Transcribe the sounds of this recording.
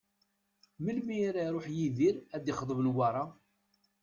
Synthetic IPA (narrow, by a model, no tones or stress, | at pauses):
məlmiɾaɾˤoħjiðiɾæd̪iχəðˤəvənwɑɾˤɑ